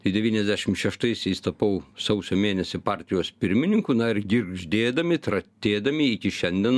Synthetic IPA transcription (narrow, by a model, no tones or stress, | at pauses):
t̪ɐɪd̪ʲɛʋʲiːnʲɛzʲdʲæʃʲɪmʃʲɛʃt̪ɐɪsʲɛɪst̪ɐpɐʊsɐʊsʲoːmʲeːnʲɛsʲɪpɑːɾʲt̪ʲɪjoːspʲɪɾʲmʲɪnʲɪŋkunɐɪrɡʲɪɾʒʲd̪ʲeːd̪ɐmʲɪt̪ɾɐt̪ʲeːd̪ɐmʲɪikʲɪʃʲɛnʲd̪ʲɛn